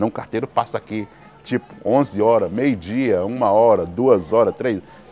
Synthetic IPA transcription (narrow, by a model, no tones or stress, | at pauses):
ɐ̃w̃kaɾt̪ejɾʊpasɐaki | t͡ʃipʊ̥õzɪɔɾɐmejʊd͡ʒiɐũmɐɔɾɐd̪uɐzɔɾɐt̪ɾejz